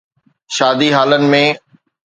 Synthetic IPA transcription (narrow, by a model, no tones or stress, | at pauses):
ʃaːd̪iɦaːlənɪ̆mẽ